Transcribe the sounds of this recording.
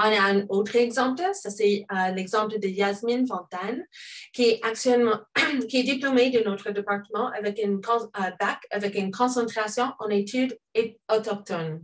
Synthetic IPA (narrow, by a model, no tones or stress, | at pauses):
ɔ̃naɛ̃not̪χɛɡzɑ̃pləsasɛəlɛɡzɑ̃pləd̪əjazminfɑ̃t̪ankʲiɛaksɥɛlmɑ̃kʲiɛd̪iplomed̪ə̃not̪χəd̪epaʁt̪əmɑ̃ʔavɛkynkɔ̃bakavɛkynkʰɔ̃sɑ̃t̪χasjɔ̃ʔɑ̃net̪ʰyd̪eɔt̪ɔk̚t̪ɔn